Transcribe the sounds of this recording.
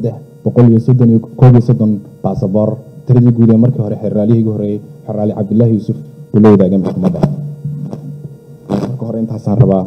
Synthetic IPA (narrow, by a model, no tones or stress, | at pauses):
sɐd̪ɛħ | b̥ɔqɔlijɔsd̪nkʰɔːβijɔsɔd̪ɔnb̥aːsɐβɔːrt̪ʰɪɾɐðiːɡuːðɛːnmɐrkʰiːhɔɾɛħɛɾraːlɪhiɣʊhɔɾɛjɛjħɛɾaːlɪʕɑb̚d̪ɪlːaːɦɪjuːsʊfbʊlɔwðaːɣɛːnmɐħkʰɐmɐðɐ | mɐrkʰɐɦɔɾɛɪnt̪ʰaːsaːnrɐβaː